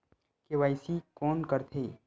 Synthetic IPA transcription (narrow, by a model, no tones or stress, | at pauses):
keʋaːɪsikɔːnkəɾt̪ʰeː